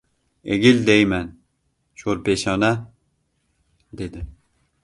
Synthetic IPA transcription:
eɡʲɪld̪ejmæn | ʃolpeʃɒna | d̪ed̪ɪ

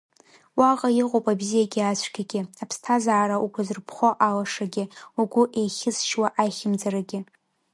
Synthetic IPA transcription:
waqʼajiqʷʼowpʼabzijaɡʲɪat͡ɕʷʰʼɡʲaɡʲɪapʰstʰazaːɾaʔuɡʷʊzɨrpʰχʷoʔalaʂaɡʲɪuɡʷʊʔejχʲɪzʃwaʔajχʲɪmd͡zaɾaɡʲɪ

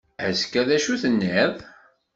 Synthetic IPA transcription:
æskæðæʃuθənːið

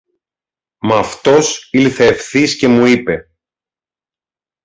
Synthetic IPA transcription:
mɐft̪o̞silθe̞ːfθisce̞muipe̞

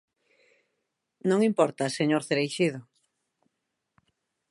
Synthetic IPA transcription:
nõŋimpɔɾt̪aseɲoɾθeɾejʃið̞o

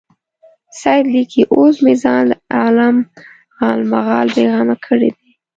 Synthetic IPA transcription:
sɑjd̪likʰiʔosmizɑnləalam | ɣɑlmaɣɑlbeɣɑmakʰəɽḛd̪i

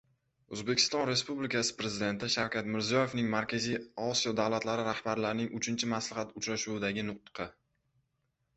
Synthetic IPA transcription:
ɵzbe̞kʲʰɪ̥st̪ɒnɾe̞spublɪkʲasɪ̥pɾezɪd̪e̞nt̪ʰɪʃawkʲat̪mɪɾzijɒje̞vnɪŋmaɾkʲʰazijɒsijɒd̪awlat̪laɾɪɾahbaɾlaɾɪnɪŋʔʊt͡ʃʰɪnt͡ʃʰɪmaslɪχat̪ʊt͡ʃɾaʃuwd̪aɡʲɪnʊq̚t̪ɨ̥qʰɑ

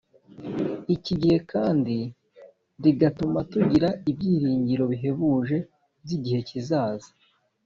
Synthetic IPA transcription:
iciɟihe̞kʰaːndi | ɾiɡatumatuɟiɾaibɟiːɾiːɲɟiɾo̞βiɦe̞βuːʒe̞ | biɟihe̞cizaːza

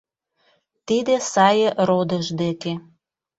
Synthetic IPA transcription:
t̪id̪esɑjɤ̆rod̪əʒd̪eke

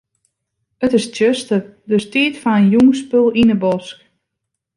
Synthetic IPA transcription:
ətɪstøstədøstiətfanənjuŋspølˠinəbɔsk

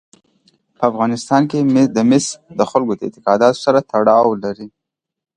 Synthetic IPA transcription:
pəafɣɑnɪst̪ɑnked̪əmɪsd̪əxʊlɡod̪əɪ̰t̪ɪ̥qɑd̪ɑt̪o̥saɾat̪aɽɑwlaɾi

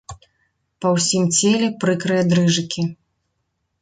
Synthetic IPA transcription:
pɐwsʲimt͡sʲelʲɛpɾɨkɾɨjɐd̪ɾɨʐɨkʲi

